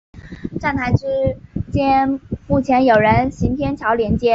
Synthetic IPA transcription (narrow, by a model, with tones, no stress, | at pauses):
ʈ͡ʂa˥˩nt̪ʰa˧˥ɪʈ͡ʂ̩˥t͡ɕjɛ˥nmu˥˩t͡ɕʰjɛ˧˥njo˨˩ʊɻə˧˥nɕi˧˥np̪ʰjɛ˥nt͡ɕʰjɑ˧˥ʊljɛ˧˥nt͡ɕjɛ˥